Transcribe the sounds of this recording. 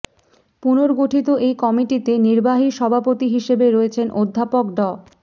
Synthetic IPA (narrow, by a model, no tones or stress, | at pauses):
punoɾɡoʈʰit̪oʔejkɔmiʈit̪eniɾbaɦiʃɔbʱapot̪iɦiʃebeɾoet͡ɕʰenʔod̪ʱːapokɖɔ